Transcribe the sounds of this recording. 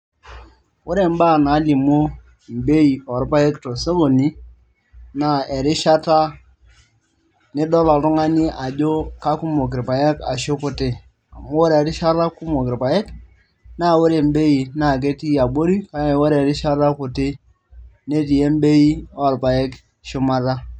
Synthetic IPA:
wʊ˦ɾe˨m˦ba˦˨na˨˦li˨mo˦ | m̩˨be˦i˨ɔ˨ɾpa˦e˦kto˨se˦ɡo˨ni˦ | na˨ɛ˨ɾɪ˦ʃa˦ta˦ | nɪ˦dɔ˦la˨tʊ˦ŋa˦ni˦ʔa˨d͡ʒo˦ka˦ku˦mo˨k̬ɪ˨ɾpa˨je˦ka̰˨ʃo˦kʊ˨tɪ˦ | a˨mo˦wo˦ɾe˨ɾɪ˦ʃa˦ɾa˦kʊ˦mo˨kɪ˨ɾpa˨ɛ˦k | na˦˨wʊ˦ɾe˨m˦be˦i˨na˨k̬e˦ti˦a˨bo˦ɾi˦ka˦˨wo˦ɾe˨ɾɪ˦ʃa˦ta˦kʊ˨tɪ˦ | ne˦t̬i˨je˦m˦be˦ji˦ɔ˦˨ɾpa˨jɛ˦k | ʃʊ˦ma˦ta˦

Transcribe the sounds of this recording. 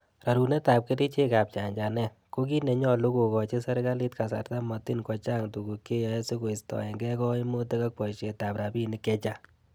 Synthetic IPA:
ra˨ɾu˨ne˦ta˨p̚ke˦ti˦t͡ʃe˦ka˨p̚t͡ʃa˨ɲd͡ʒa˨nɛ˦ | ko˦ki˦ne˨ɲɔ˦lu˦ko˨kɔ˨t͡ʃe˦sa˦ɾka˦li˦tka˨sa̰˨rta˦mɔ˨ti˦nkɔ˨t͡ʃa˦ŋtu˨ɡu˨kːe˦jɔ˦ɛ˦se˦ko˨i˨stɔ̰˨ɛ˨ŋɡɛ˦kɔ˦i˦mo˦te˦ka˦k̚pɔ˨ʃe˨ta˨pɾa˨bi˦ni˨kɛ˦t͡ʃa˦

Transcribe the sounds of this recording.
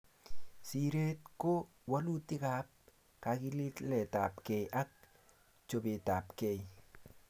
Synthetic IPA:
si˨ɾe˦tko˦ | wa˦lu˦ti˦ka˨˦p̚ | ka˨ki˦li˦tlɛ˨ta̰˨pke˨jʔa˦k̚ | t͡ʃo˨be˨ta˨pke˨j

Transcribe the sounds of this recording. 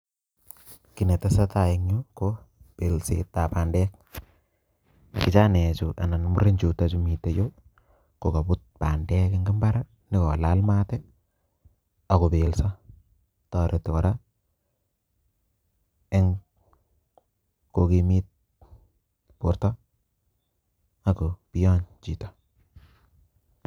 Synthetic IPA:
ki˨ne˨ta˦sa˦ta˨i˨ŋɲo˦ko | pe˨lsḛta˨pa˨ndɛ˦k̚ | kɪ˨t͡ʃa˦nɛ˨t͡ʃuʔa̰˨na˨nmu˦ɾe˦nt͡ʃu˨ta˦t͡ʃu˦mi˨tːe˨jo˦ | ko˨ka˨pu˦t̚pa˨ndɛ˦kɪ˦ŋɡi˦mba˦ɾa | nɪ˦kɔ˨la˦lma˦tɛ˦ | a˨ko˨be˨lsa˦ | tɔ˨ɾʔe˨tɪ˨kɔ˨ɾa˦ | e˦ŋ | ko˨kimi˦t̚ | po˨ɾtɔ˦ | a˨ko˨pi˦ɔ˦ɲt͡ʃi˨tɔ̥

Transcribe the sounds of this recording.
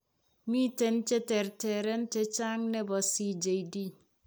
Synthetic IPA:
mi˦te˦n˦t͡ʃe˦te˨ɾte˨ɾe˦n˦t͡ʃe˦t͡ʃa˦ŋne˦bɔ˨si˨d͡ʒe˨idi˦

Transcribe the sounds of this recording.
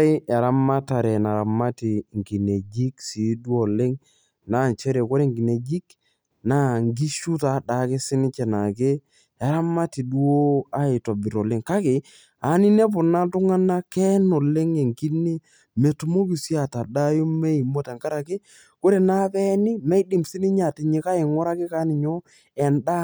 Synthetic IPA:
ɪ˦ɛ˨ɾa˦ma˦ta˨ɾɛ˨na˨ɾa˨ma˦tɪ˨ŋki˨ne˨d͡ʒi˦ksi˨˦dwɔ˨le˦ŋ | na˦˨nt͡ʃɛ˦ɾe˨ko˦ɾe˨ŋɡi˨ne˨d͡ʒi˦k | na˦ŋɡi˦ʃu˦ta˨˦da˨kɪ˦sɪ˦nɪ˦t͡ʃɛ˨na˨ke˦ | ɛ˨ɾa˦ma˦ti˨dwo˦a˦ɪ˨tɔ˨bɪ˨ɾɔ˨le˦ŋka˦kɪ˨ | a˨˦nɪ˦ne˦pʊ˨na˦tʊ˦ŋa˦na˦kɛ˦nɔ˨le˦ŋe˨ŋki˦ne˦ | me˨tʊ˨mo˦ki˨si˦a˨ta˨da˦jʊ˦mɛ˦i˨mo˦ta˨ŋka˦ɾa˨kɪ˦ | ko˦ɾe˨na˦pɛ˦nɪ˦mɛ˦jdi˨msɪ˦nɪ˦ɲa˨tɪ˨ɲɪ˨˦ka˦ɪ˨ŋɔ˦ɾa˦kɪ˦ka˦nɪ˨ɲɔ˦ | ɛ˨nda˦

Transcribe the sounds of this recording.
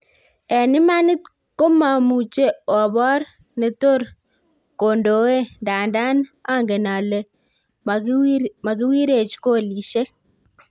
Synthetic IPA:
ɛ˨nɪ˦ma˦nɪ˦t | ko˦ma˨mu˨t͡ʃe˦ɔ˨bɔ˦ɾ | ne˨to˦ɾ | ko˨ndo˨e˦nda˨nda˦na˦ŋɡe˨na˨le˨ | ma˨ki˦wi˦ɾe˨t͡ʃko˦li˨ʃe˦k̚

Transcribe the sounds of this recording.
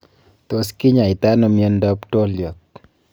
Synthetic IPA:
t̪o˨skɪ˦ɲa˨ɪ˨t̪a˦nɔ˨mio˦nda˦pʈo˦ljɔ˨t̪̚

